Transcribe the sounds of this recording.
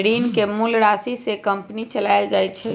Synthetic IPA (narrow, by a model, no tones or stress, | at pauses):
ɽiːnkemulɾasisekəmpnit͡ʃəlajld͡ʒajt̪t͡ʃʰɛ